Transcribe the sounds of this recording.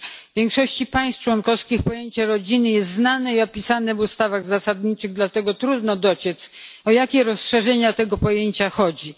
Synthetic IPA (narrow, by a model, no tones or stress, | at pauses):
vʲjɛŋkʂɔɕt͡ɕipaj̃st̪t͡ʂwɔnkɔfskʲixpɔjeɲt͡ɕɛɾɔd͡ʑinɘjɛst̪znanɛiɔpʲisanɛvust̪avaɣzasad̪ɲit͡ʂɘɣd̪lat̪ɛɡɔt̪ɾud̪nɔd̪ɔt͡ɕɛt̪sɔjakʲɛɾɔsʂɛʐɛɲat̪ɛɡɔpɔjeɲt͡ɕaxɔd͡ʑi